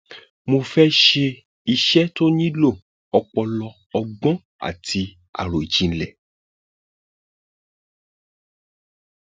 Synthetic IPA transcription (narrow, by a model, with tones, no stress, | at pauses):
mo˧fɛ˦ʃe˧ | i˧ʃɛ˦to˦nĩ˦lo˦˨ | ɔ˧k͡pɔ˧lɔ˧ | ɔ˧ɡ͡bɔ̃˦ | a̰˨ti˧ | a̰˨ɾo˨i˨d͡ʒĩ˨n̩˦lɛ˨